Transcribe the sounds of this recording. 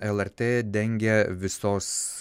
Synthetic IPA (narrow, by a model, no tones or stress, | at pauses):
ɛlˠɛɾʲt̪ʲeːd̪ʲɛŋʲɡʲɛʋʲɪsoːs